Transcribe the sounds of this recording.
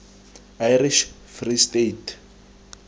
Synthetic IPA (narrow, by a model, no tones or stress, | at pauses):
ajriʃ | fristetʰ